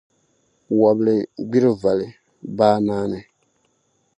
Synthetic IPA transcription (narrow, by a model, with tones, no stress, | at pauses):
wa˨blɨ˨ɡ͡bi˦ɾɨ˦va˨lɨ˨ | baː˦maː˦nɨ˨